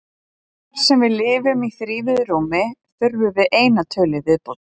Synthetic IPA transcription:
ɾ̥sɛmvɪðlɪːvʏmiθɾiːvɪðɾoːwmɪθʏɾvʏvɪðʔeːjnat̪ʰœːlɪvɪðpowt̪

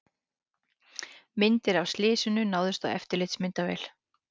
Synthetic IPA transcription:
mɪnt̪ɪɾavst̪lɪːsʏnʏnaːwðʏst̪awɛ̰ft̪ɪɾlɪt̪smɪnt̪avɛ̰ːjl

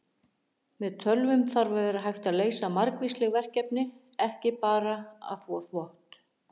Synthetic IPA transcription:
mɛðt̪ʰœlvʏmθaɾvɛðʏɾaɦajht̪aðleːjsamaɾkvislɛɣvɛr̥cɛpnɪ | ɛhcɪpaːɾaa̰θvɔθvɔht̪

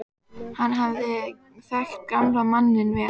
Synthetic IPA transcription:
hanːɦavðɪ | θɛxt̪̚kamlamanːɪnvɪ

